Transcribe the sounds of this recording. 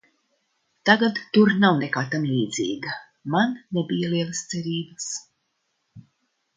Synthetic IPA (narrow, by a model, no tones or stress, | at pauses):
t̪aɡad̪ːuɾnawnekaːt̪amliːd̪zḭːɡa | manːebijaliɛlˠast̪sɛɾiːbas